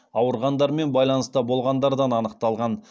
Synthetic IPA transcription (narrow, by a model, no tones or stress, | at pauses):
ɑwəɾʁɑnd̪ɑɾme̞nbɑjlˠɑnəst̪əbo̞lˠʁɑnd̪ɑɾd̪ɑnɑnəq̚t̪ɑlˠʁɑn